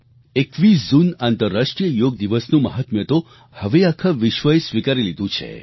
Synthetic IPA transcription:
ekʋiszunant̪əɾːaʂʈɾijəjoɡ̚d̪iʋəsnũməɦat̪mjət̪o | həʋeakʰaʋiʃʋəjsʋikaɾilid̪ʱũt͡ʃʰḛ

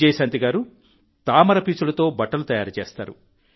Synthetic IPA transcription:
ejsɐnt̪iɡaːɾu | t̪aːmɐɾɐpiːt͡ʃulɐt̪o̞ːbɐʈːɐlut̪ɐjaːɾɐt͡ʃeːst̪a̰ːɾṵ

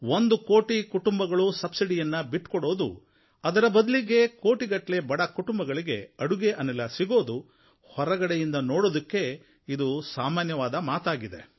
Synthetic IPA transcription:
ond̪ukoːʈikuʈumbɐɡɐɭusɐbsiɽijɐnːɐbiʈːkɔɽo̞ːd̪ṵ | ɐd̪ɐɾɐbɐd̪ɐliɡe̞ko̞ːʈiɡɐʈle̞bɐɽɐkuʈumbɐɡɐɭiɡe̞ɐɽuɡeʔɐnːɛlːɐsiɡo̞ːd̪u | hɔɾɐɡɐɽejind̪ɐnoːɽoːd̪ɐkːe̞ | id̪usaːmaːnjɐʋaːd̪ɐmaːt̪aːɡid̪e̞̰

